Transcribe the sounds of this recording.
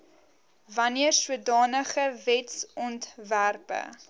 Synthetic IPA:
vɐniərsuədɑːnəχəvɛtsɔntværpə̰

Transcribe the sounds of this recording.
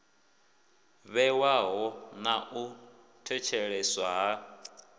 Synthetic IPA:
βɛwaɦɔnaʔu | tʰɛt͡ʃʰɛɺɛswaɦa

